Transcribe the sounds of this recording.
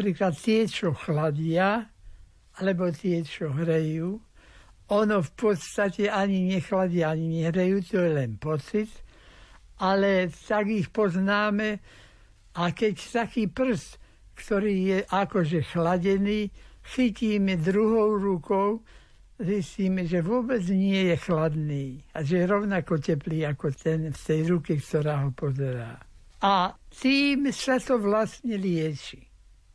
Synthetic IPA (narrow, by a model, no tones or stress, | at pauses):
pɾiːklat̪ːɪɛt͡ʃɔxlaɟɪa | alɛbɔt̪ɪɛt͡ʃɔɦɾɛjuː | ɔnɔfpɔt̪st̪acɛaɲiɲɛxlaɟɪaaɲiɲɛɦɾɛjuːt̪ɔjɛlɛnpɔt͡sit̪ | alɛt̪aɡixpɔznaːmɛ | akɛct̪akiːpr̩st̪ | kt̪ɔɾiːjɛʔakɔʒɛxlaɟɛniːxiciːmɛd̪ɾuɦɔʊɾukɔʊ | zisciːmɛʒɛʋʊɔbɛd͡zɲɪɛjɛxlad̪niːaʒɛjɛɾɔʊnakɔcɛpliːakɔt̪ɛnft̪ɛjɾukikt̪ɔɾaːɦɔpɔzɛɾaː | at̪iːmsat̪ɔʋlast̪ɲɛlɪɛt͡ʃi̥